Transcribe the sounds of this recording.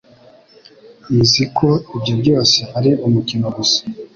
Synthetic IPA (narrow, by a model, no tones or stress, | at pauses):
izikʰoibɟobɟo̞ːse̞haɾiʔumukinouzḁ